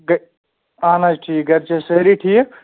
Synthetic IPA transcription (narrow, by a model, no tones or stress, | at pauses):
ɡ | aːnad͡ʒʈʰiːkɡɐɾt͡ʃʰeseɾiʈʰiːk